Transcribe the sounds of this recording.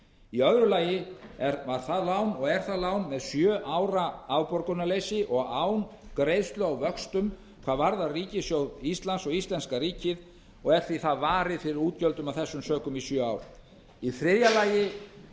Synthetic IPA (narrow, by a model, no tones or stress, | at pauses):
iœðɾʏlaːjɪɛɾvaɾ̥θaðlaːwnɔɣɛɾ̥θaðlaːwnmɛðsjœːʔawɾaawpɔɾkʏnalejsɪʔɔɣaːwnkɾejðst̪lʏawvœkst̪ʏm | kʰv̥aːðvaɾðariːcɪsjowðist̪lansɔɣist̪lɛnskaɾiːcɪð | ɔɣɛɾ̥θiθaðvaːɾɪðfɪɾɪɾuːt̪cœlt̪ʏmawθɛsːʏmsœːkʏmisjœːawɾ | iθɾɪðjalaːjɪ